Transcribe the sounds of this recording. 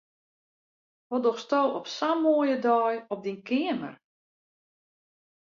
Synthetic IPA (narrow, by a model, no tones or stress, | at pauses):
ʋɔdɔxstoːɔpsamoːjədɔjɔp̚dinkʰɪəmə̰r